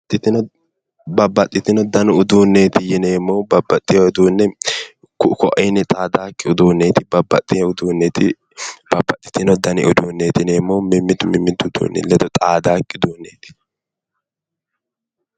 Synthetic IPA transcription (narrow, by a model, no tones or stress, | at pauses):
t̪ʼːɪt̪ɪnɔ | bɐbːɐt̪ʼːɪt̪ɪnɔd̪ɐnʊʊd̪uːnːeːt̪ɪjɪneːmːɔbɐbːɐt̪ʼːɪjɔɔd̪uːnːɛ | kkɔʔɛnɛt̪ʼaːd̪aːkʼːɪʊd̪uːnːeːt̪ɪbɐbːɐt̪ʼːɪɛʊd̪uːnːet̪ɪ | b̥ɐbːɐt̪ʼːɪ̥t̪ɪnɔd̪ɐnɪ̰ʔʊd̪uːnːeːt̪ɪneːmːɔmɪmːɪd̪ʊmɪmːɪd̪ʊd̪ṵːnːɛ̰lɛd̪ɔt̪ʼaːd̪aːkʼːɪʊd̪uːnːeːt̪ɪ̥